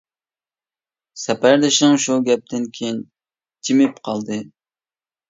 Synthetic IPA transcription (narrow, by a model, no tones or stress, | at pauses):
sɛpæɾd̪ɨʃnɨŋʃuɡʲɛp̚t̪ʰɪnkʲʰejin | t͡ʃʰimɪpqʰɑlˠd̪ɨ